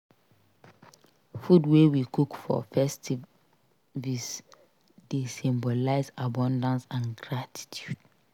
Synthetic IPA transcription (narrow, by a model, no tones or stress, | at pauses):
fudwewikukfɔ̰fɛstʰi | vis | desĩmbolaɪzabɔ̃ndãnsãnɡɹatʰi̥tʰjud̥